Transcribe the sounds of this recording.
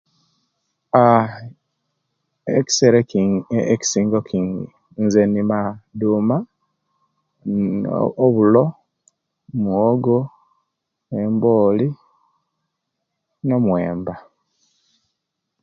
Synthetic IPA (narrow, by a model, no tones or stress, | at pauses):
a | eki̥seɾeeki̥siːŋɡokiːŋɡḭ | nzenimaduːma | βulo | mwoɡo | emboːli | no̞mwe̞ːmba